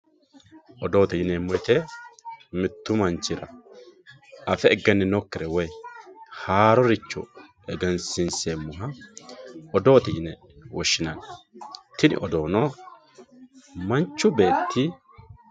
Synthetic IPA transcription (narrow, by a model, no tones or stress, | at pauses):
ʔɔd̪o̞ːt̪ɛjɪnɛmːɔjt̪ɛ | mɪt̪ːʊmɐnt͡ʃːɪɾɐ | ɐfɛɛɡːɛnːɪnɔkːɪɾɛwɔjhaːɾɔɾɪt͡ʃːɔ̰ | ɛɡɛnsɪnsemːʊɦɐ | ɔd̪o̞ːt̪ɛjɪnɛ | wɔʃːɪnɐn | t̪ɪnɪ̰ʔɔd̪o̞ːnɔ | mɐnt͡ʃːʊbe̞ːt̪ːɪ